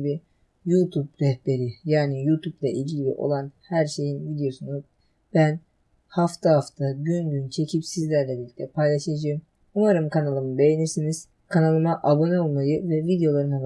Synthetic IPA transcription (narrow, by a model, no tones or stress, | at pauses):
bi | jut̪ʰubɾɛhbe̞ɾijaːnijuːt̪ʰublˠaʔilʲɟilʲḭʔo̞̰lˠanhæɾʃe̞jinvid̪ejo̞sunuz | b̥æn | haft̪ʰaɦaft̪ʰaɟynɟynt͡ʃʰe̞cʰipsizlʲæɾlʲɛbiɾlʲic̪ʲt̪ʰʲɛpʰajlˠaʃɯad͡ʒajɯm | umaɾɯmkʰanalˠɯmɯbe̞jeniɾsiniz̥ | kʰanalˠɯmaʔabo̞nɛolˠmajɯvɛvid̪ejo̞lˠaɾɯnab